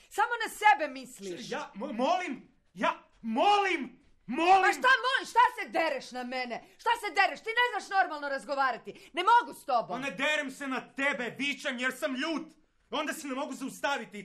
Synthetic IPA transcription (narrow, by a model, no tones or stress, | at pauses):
saːmo̞nase̞be̞misliʃjaːmomolim | jaː | molim | moliʃmt̪amoliʃt̪ase̞d̪e̞ɾeʃnameneʃt̪ased̪e̞ɾeʃt̪iːneznaʃno̞ɾmalˠnoɾazɡoʋaːɾat̪ine̞mo̞ɡust̪o̞boned̪eɾemsenat̪ebebit͡ɕemjeɾsamʎuːt̪ | o̞nd̪asenemo̞ɡuzaust̪aʋit̪i